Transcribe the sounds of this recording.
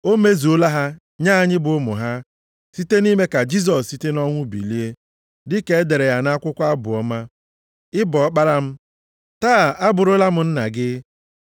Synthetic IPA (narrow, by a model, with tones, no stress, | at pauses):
o˦me˦zi˨o˦la˦ɦa˦ | ɲa˦a˨ɲɪ˦bʊ˨˦mʊ̰˨ɦa˦ | si˦te˦ni˦me˦ka˨d͡ʒi˦s̬ɔ˨ssi˦te˦nɔ˦ŋʷʊ˦bḭ˨li˦e˦ | dɪ˦ke˨˦de˨ɾe˨ja˨na˦a˦kʷʊ˦kʷa˦bʊ˨ɔ˦ma˦ | ɪ˦bɔ˨ɔ˦k͡pa˦ɾa˦m̩˦ | taː˦˨a˦bʊ˨ɾʊ˦la˦m̩˨n̩˦na̰˨ɡɪ˦